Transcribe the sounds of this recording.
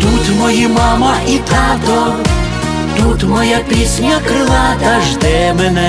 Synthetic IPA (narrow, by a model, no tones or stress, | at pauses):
t̪ut̪ʲmɔjimamɐʔit̪at̪ɔ | t̪ut̪mɔjapʲisʲnʲɐkɾɪlˠat̪ɐʒd̪ɛmɛnɛ